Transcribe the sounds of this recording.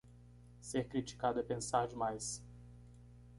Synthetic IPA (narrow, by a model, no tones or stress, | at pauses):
seɾkɾit͡ʃi̥kad̪ʊɛpẽsaɾd͡ʒɪmajs